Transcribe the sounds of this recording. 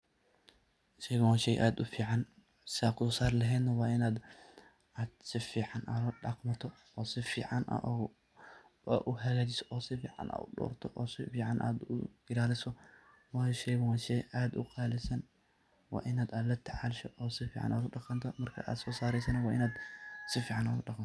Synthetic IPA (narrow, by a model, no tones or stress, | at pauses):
ʃɛjɣwaːnʃɛjʔaːd̪ʊfiːʕɑn | sɪaːkʰʊɔːsaːɾlɐɦɛːd̪nɐwɑːʔɪnaːd̪ | aːd̪sɪfiːʕɑnʔalɐɖaːqmɐt̪ʰɔ | ɔːsɪfiːʕɑnʔɐ̰ʔɔ | ɔ̰ʔʊɦɐɣaːt͡ʃɪsɔ̥ʔɔːsɪfḭːʕɑ̰nʔa̰ːʊɖɔ̰ːrt̪ʰɔʔɔːsɪfiːʕɑnʔa̰ːd̪ʊ̰ɡɪɾaːlɪsɔ | wɑjʃɛjɣwaːnʃɛjaːd̪ʊ̰qɑːlɪsɐn | wɑ̰ːʔɪnaːd̪ad̪lɐt̪ʰɐʕalʃɔʔɔːsɪfiːʕɑ̰nʔa̰ːd̪ʊɖɑqɑnt̪ʰɔmɐrkʰɐ̰ʔa̰ːd̪sɔːsaːɾɛjsɐnɐwɑːʔɪnaːd̪sɪfiːʕɑna̰ːd̪ʊɗɑqmt̪ɔ